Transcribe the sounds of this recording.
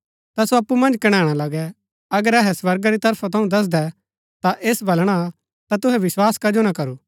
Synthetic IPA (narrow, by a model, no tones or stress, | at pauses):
t̪asoɐpːumɐ̃nd͡ʒkɐɽ̃ãːɽ̃alɐɡɛ | ɐɡəɾɛɦɛswɐɾɡaɾit̪ɐɾpʰat̪ʰɐũd̪ɐs̬d̪ɛ | t̪aʔeːsbʱɐlɽ̃a | t̪at̪ʊɦɛʋɪswaːskɐd͡ʒonakɐɾuː